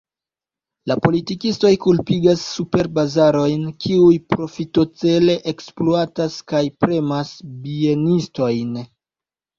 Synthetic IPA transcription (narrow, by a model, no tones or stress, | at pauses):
lapo̞litikisto̞jkulpiɡasːupe̞ɾbazaɾo̞jnkʰiujpɾo̞fito̞t͡se̞le̞ʔeksploataskajpɾe̞masbie̞nisto̞jn